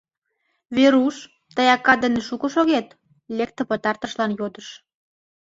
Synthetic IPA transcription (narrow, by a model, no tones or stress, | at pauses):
βeɾuʃ | t̪əjɑkːɑd̪ə̆neʃukə̆ʃoɣet̪ | lek̚t̪ə̆pə̆t̪ɑrt̪ə̆ʃlɑnjod̪əʃ